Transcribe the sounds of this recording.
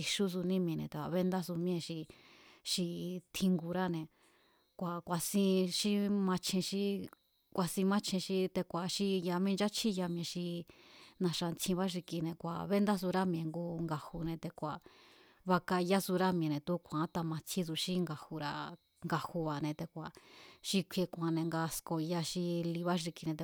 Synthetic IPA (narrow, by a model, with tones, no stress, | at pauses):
i˧ʃu˦s̬u˧nĩ˦mĩ˧nḛ̃˧˨t̪e˧˨a˧βe˦nd̪a˦su˧mĩ˧ẽ˧ʃi˧ʃi˧t̪ʰĩ˧ŋɡu˧ɾa˦nẽ˧ | kʷa˨kʷa˨sĩ˦˧ʃi˦mã˧t͡ʃʰĩ˧ʃi˦ | kʷa˧sĩ˧mã˦t͡ʃʰĩ˧ʃi˦t̪e˧kʷa˨ʃi˦ja˧mĩ˦nd͡ʒa˦t͡ʃʰi˦ja˧m̃˧ẽ˧ʃi˧nã˧ʂa˧nt͡sʰĩ˧βa˦ʐ̬i˧ki˧nẽ˧kʷa̰˨βe˦nd̪a˦s̬u˧ɾa˦mj̃ẽ˧ŋɡu˧ŋɡa˧hu˧nẽ˧t̪e˧kʷa˨ | βa˧ka˧ja˦su˧ɾa˦mj̃nẽ˧t̪u˦kʷʰã˨˦t̪a˧mã˧t͡sʰĩ˦su˧ʃi˦ŋɡa˧hu˧ɾa˧ | ŋɡa˧hu˧βa˨˧nẽ˧t̪e˧kʷa˨ʃi˧kʷʰe˧kʷã˧nẽ˧ŋɡa˧sko˧ja˧ʃi˧li˧βa˦ʐi˧ki˧nẽ˧t̪e˧